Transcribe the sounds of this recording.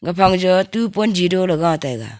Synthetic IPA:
ɡapʰaŋd͡ʒɔtupɔnd͡ʒidɔlaɡaatajɡa̰

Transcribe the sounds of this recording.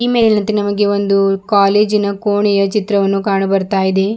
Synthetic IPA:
iːmeːɐnɐnt̪enɐmɐɡe̞ond̪ukaːleːd͡ʒinɐkoːɳɛjɐt͡ʃit̪ɾɐʋɐnːukaːɳɐbɐɾt̪aːjid̪e̞

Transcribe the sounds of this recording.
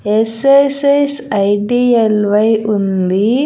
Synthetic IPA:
esesɐjsɐjɖielʋɐjund̪i

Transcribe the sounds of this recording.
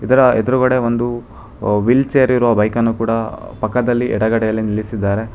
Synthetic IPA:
id̪ɐɾɐed̪ɐɾuɡɐɽe̞ʋond̪u | ʋilt͡ʃejɐɾiɾuʋɐbɐjkɐnːukuːɽɐpɐkːɐd̪ɐlːiʔɛɽɐɡɐɽɛjɐlːinilisid̪ːaːɾe̞

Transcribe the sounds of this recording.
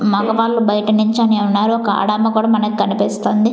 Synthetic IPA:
mɐkɐʋaːɭːubɐjʈɐnuɲt͡ʃɐneːunːaːɾuɔkɐa̰ːɽaːmɐkuːɽaːmɐnɐkikɐnipist̪oːnd̪i

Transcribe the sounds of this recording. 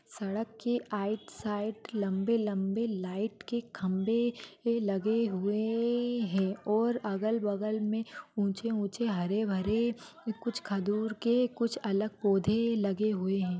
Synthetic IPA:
sɐɽəkːeʔaːɪʈsaːɪʈlɐ̃mbelɐ̃mbelaːɪʈkekʰɐ̃mbelɐɡeɦʊeɦɛ̃ːɔːɾɐɡəlbɐɡəlmẽũːt͡ʃeũːt͡ʃeɦɐɾebʱɐɾekʊt͡ʃʰkʰɐd̪uːɾkekʊt͡ʃʰɐləɡ̚poːd̪ʱelɐɡeɦʊeɦɛ̃ː

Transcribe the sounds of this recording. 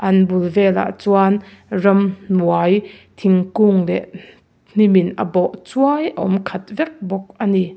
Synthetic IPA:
ʔɐnbulvɛla̰ʔt͡swanrɐmnuajt̪ʰiŋkuŋlɛʔ | n̥iminʔɐ̰bɔʔt͡suajʔə̰ʔɔ̰mkʰɐt̪̚vɛk̚bɔk̚ʔɐni

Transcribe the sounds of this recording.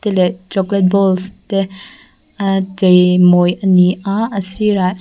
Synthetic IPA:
telet͡ʃɔklet̚bɔlste | tejmojɐniaɐsiɾa

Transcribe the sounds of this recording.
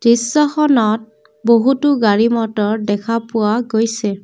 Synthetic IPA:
dɹisːɔxɔnɔt̚ | boɦutʊɡaɹimɔtɔɹdɛkʰapʊwaɡojsɛ

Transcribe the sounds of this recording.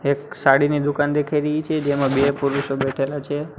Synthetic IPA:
eksaɽinid̪ukand̪ekʰajɾəɦit͡ʃʰed͡ʒemãbepuɾuʃobɛʈʰelat͡ʃʰe

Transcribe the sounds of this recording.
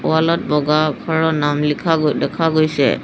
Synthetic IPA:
ʊ̰alɔt̚bɔɡakʰɔɹɔnamlikʰadɛkʰaɡojsɛ̰

